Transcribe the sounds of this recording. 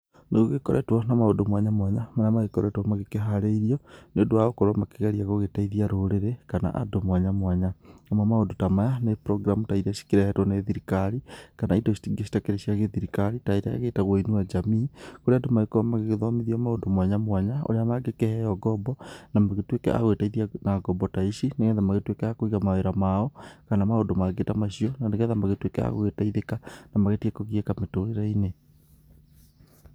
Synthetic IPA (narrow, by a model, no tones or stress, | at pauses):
neɣoɣekɔɾʔɛ̰twɔnamaondomwaɲamwaɲamanamaɣekɔɾɛtwɔmaɣekeɦaɾeiɾiɔneodoaɣokɔɾamakeɣaɾiaɣoɣetaiðiaɾoɾeɾekana̰ʔa̰domwaɲamwaɲaamamaodotamajanepɾɔɡɾamutaiɾaʃi̥kiɾahɛtwɔneðiɾikaɾikanaidoʃi̥tiɡeʃi̥takeɾeʃiaɣeðiɾikaɾitaiɾaa̰ɣetaɣwoinuad͡ʒamiːkoɾeadomaɣekoamaɣeɣeðɔmiðiɔmaondomwaɲamwaɲao̰ɾeamaɡekɛhɛjɔɡɔbɔnamaɣetwekɛ̰ʔa̰ɣwetaiðianaɡɔbɔtaiʃineɣɛðamaɣetwekɛakoiɣamaeɾamaɔkanamaondomaɡetamaʃiɔnaneɣɛðamaɣetwekɛa̰ɣo̰ɣetaiðekanamaɣetiekɔɣiɛkametoeɾaine